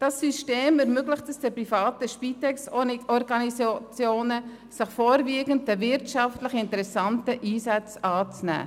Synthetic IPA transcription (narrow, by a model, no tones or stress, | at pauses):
d̥ɑsːyʃteːmɛɾmøɡləχtəsd̥əpɾifɑːtəʃpitɛksɔɾɡɑnist͡sjoːnə | səχfoːɾviːɡəntəvɪɾtʃɑftləχɪntəɾɛsɑntəʔiːsæt͡sɑːt͡snæ̰ː